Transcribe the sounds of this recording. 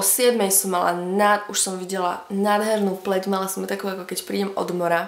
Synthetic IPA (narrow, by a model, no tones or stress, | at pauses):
sɪɛd̪mɛjsɔmːala̰nauʃsɔmʋiɟɛla̰naːd̪ɦɛɾnuːplɛɟmalasɔmt̪akuːakɔkɛcpɾiːɟɛmɔ̰d̪mɔɾa